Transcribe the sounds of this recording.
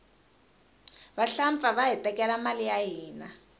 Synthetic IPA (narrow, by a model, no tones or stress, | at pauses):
βaɬaɱp̪faβaɦitɛkɛlamalijaɦiːna